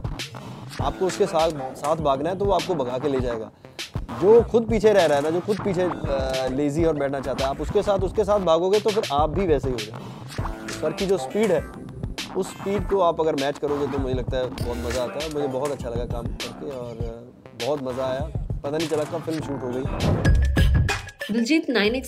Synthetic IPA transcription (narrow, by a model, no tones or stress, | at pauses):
a̰ːpkoʊskesaːt̪saːt̪ʰbʱaːɡnaɦɛt̪̬oʋoaːp̚kobɐɡʱaːkeleːd͡ʒaːeːɡa̰ː | d͡ʒoːxʊd̪̚p̬iːt͡ʃʰeɾɛɦɾaːɦɛnad͡ʒoːxʊd̪̚piːt͡ʃʰeleːziɔːɾbɛːʈʰnat͡ʃaːɦt̪aɦɛaːpʊskesaːt̪ʰʊskesaːbʱaːɡoɡet̪ofɪɾʔaːp̚bʱiʋɛːseɦiɦoːd͡ʒaː | bɐɾkid͡ʒoːspiːɖɦɛː | ʊsːpiːɖkoaːpɐɡəɾmɛːt͡ʃkɐɾoːɡet̪̬omʊd͡ʒʱelɐɡ̚t̪aɦɛbɔːt̪mɐzaaːt̪aɦɛmʊd͡ʒʱebɔɦt̪ɐtːʃʰalɐɡakaːmkɐɾkeɔːɾ | bɔːʊt̪mɐzaaːjapɐt̪anɦĩt͡ʃɐlakafɪlmʃuːʈɦoɡɐiː | bʊld͡ʒiːt̪naːɪnɪk